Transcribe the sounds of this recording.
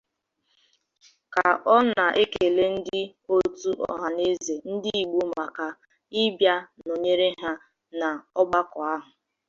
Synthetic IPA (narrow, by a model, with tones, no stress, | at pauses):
ka˨ɔ˦na˨ʔe˦ke˨le˦n̩˦dɪ˦ | o˦tu˦ʔɔ̰˦ɦa˨ne˦ze˨n̩˦dɪ˦i˨ɡ͡bu˦ma˨ka˨ | ɪ˦bja˦no˨ɲe˦ɾe˦ɦa˦ | na˨ɔ˦ɡ͡ba˦kɔ˨a˦ɦʊ˨